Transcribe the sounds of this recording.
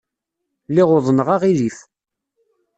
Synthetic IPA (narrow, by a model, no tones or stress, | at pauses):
lɪʁʊðˤnəʁaʁiɾif